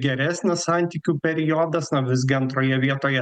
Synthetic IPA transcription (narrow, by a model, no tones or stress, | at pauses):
ɡʲɛɾʲæsʲnʲɛssɑˑnʲt̪ʲiːkʲuːpʲɛɾʲɪjoːd̪ɐsnoʋʲɪzʲɡʲɪɐnt̪ɾoːjɛʋʲiɛt̪oːjɛ